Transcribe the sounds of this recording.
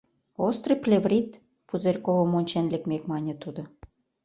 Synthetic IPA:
ost̪rɤplʲevrʲit̪ | puzerʲkovə̆monʲt͡ɕenlʲekmekmɑnʲĕt̪ud̪ŏ

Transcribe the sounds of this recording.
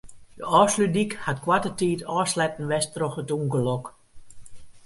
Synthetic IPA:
dəʔɔːslydikhatkwatətiːtɔːslɛtn̩ʋɛstrɔxətuːŋɡəlɔk

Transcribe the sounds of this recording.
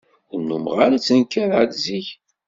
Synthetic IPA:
ʊɾnumʁaɾat͡sːənkːæðʕəd̪ziç

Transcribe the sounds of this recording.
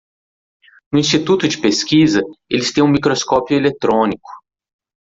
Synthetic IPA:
nʊĩst͡ʃit̪ut̪ʊd͡ʒɪpeskizɐelɪst̪ẽj̃ũmikɾoskɔpjʊelet̪ɾõnikʊ̥

